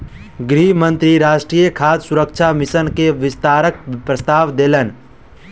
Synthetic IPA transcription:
ɡɾiːmə̃nt̪ɾiɾaːʃʈɾiːjəkʰaːd̪sʊɾək̚t͡ʃʰamɪsənkeʋɪst̪aːɾək̚pɾəst̪aːʋd̪eːlən

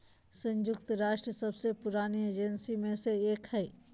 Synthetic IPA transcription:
sɐ̃ɲd͡ʒʊkt̪ɾaːʃʈɾəsɐbsepʊɾaːnieːd͡ʒɛnsimẽseeːkhɛː

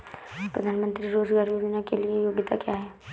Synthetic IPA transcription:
pɾɐd̪ʱaːnmə̃nt̪ɾiɾoːd͡ʒɡaːɾmiʋɪnakeliejoːɡɪt̪a̰kjaɦɛ

